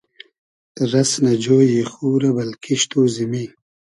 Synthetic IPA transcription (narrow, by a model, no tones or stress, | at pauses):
t̪əɾɐsnad͡ʒoːjexuːɾabɐlkʰiʃt̪ʰoːzimi